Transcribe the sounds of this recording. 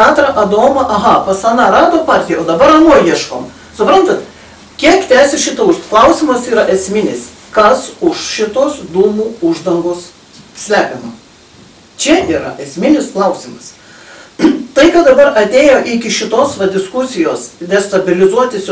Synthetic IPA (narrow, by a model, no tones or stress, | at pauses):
ɑːt̪ɾɐʔɐd̪oːmɐʔɐɦɐpɐsɑnɑɾɑːd̪oːpɑːɾʲt̪ʲɪjɛoːd̪ɐbɐɾɐnuɔjiɛʃkoːm | sʊpɾɐnt̪ɐt̪ | kʲiɛkt̪ʲæːsʲɪʃʲɪt̪ɐʊklˠɐʊsʲɪmɐsiːɾɐʔɛsʲmʲɪnʲɪs | kɐsʊʃʃʲɪt̪oːsd̪uːmuːʊʒd̪ɐŋɡoːs | sʲlʲæːpʲɛmo | t͡ʃʲɛiːɾɐ̰ʔɛsʲmʲɪnʲɪsklˠɐʊsʲɪmɐs | t̪ɐɪkɐt̪d̪ɐbɐɾɐt̪ʲeːjoːʔɪkʲɪʃʲɪt̪oːsʋɐd̪ʲɪskʊsʲɪjoːsd̪ʲɛst̪ɐbʲɪlʲɪzuɔt̪ʲɪsʲ